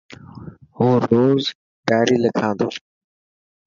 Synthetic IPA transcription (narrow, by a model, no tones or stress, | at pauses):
ɦoːɾoːz | ɖaːɾiːləkʰãːnd̪oː